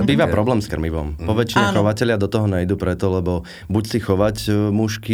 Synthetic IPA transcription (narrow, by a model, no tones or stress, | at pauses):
biːʋapɾɔblɛːmskrmiʋɔ̰mpɔʋɛt͡ʃinɛxɔʋacɛʎɪad̪ɔt̪ɔɦɔɲɛjd̪uːpɾɛt̪ɔlɛbɔ | bucsixɔʋacmuʃki